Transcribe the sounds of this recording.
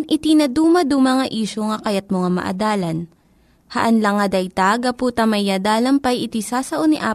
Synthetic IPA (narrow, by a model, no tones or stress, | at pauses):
nʔɪt̪inɐd̪uːmɐd̪umɐŋɐʔiːʃoŋɐkɐjɐt̪̚moŋamɐ̰ʔɐ̰d̪aːlɐn | hɐʔɐnlɐŋɐd̪ɐjt̪aɡɐpuːt̪ɐmɐjːad̪aːlɐmpɐjɪt̪isasɐʔonɪʔaː